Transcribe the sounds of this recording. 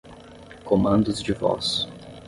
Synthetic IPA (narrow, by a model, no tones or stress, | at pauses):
komɐ̃nd̪ʊzd͡ʒɪvɔ̰s